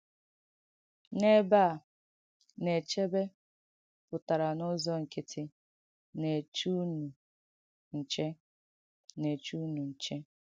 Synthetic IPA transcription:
ne˦ba˦˨ | ne˨t͡ʃe˦be˦ | pʊ˨ta˨ɾa˨nʊ˦zɔ˦ŋ̩˨ke˨tʰɪ˦ | ne˨t͡ʃu˦nu˨ | n̩˨t͡ʃe˦ | ne˨t͡ʃu˦nu˨n̩˨t͡ʃe˦

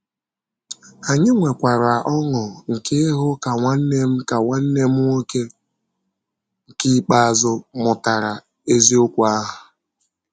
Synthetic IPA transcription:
a˨ɲɪ˦ŋʷe˨kʷa˨ɾa˨ʔɔ˦ŋʊ˨ŋ̩˨ke˦ɦʊ˦ka˨ŋʷa˦n̩˦ne˦m̩˦ka˨ŋʷa˦n̩˦ne˦m̩˦o˦ke˦ | ŋ̩˨ki˦k͡pa˦a˨zʊ˦mʊ˨ta˨ɾa˨ | e˦zi˦o˦kʷa˦ɦʊ˨

